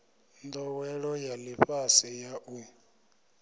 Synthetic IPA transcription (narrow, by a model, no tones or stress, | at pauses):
nd̪ɔwɛɺɔjaliɸasijaʔu